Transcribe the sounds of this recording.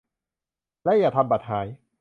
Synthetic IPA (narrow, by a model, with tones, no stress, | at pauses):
lɛː˦˥jaː˨˩t̪ʰa˧mpa˨˩t̪̚haː˩˦j